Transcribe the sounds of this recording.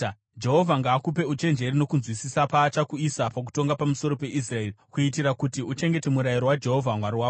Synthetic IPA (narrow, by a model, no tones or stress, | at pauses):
d͡ʒe̞ɦo̞vʱaŋɡaːkupe̞ut͡ʃe̞nd͡ʒe̞rino̞kunzwisisapaːt͡ʃakuisapak̬u̥to̞ŋɡapamuso̞ɾo̞pe̞ʔis̬rae̞rikuit̬iɾakutiut͡ʃe̞ŋɡe̞te̞muɾajiɾo̞wad͡ʒe̞ɦo̞vʱamwaɾiwaːko